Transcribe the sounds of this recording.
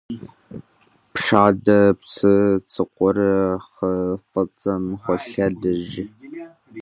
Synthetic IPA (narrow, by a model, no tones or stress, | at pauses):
pʂaːdɐpsɨt͡sʰʼɨqʷɔɾɨχəfɐt͡sʼɐmχʷɔɬɐdɨʒɪ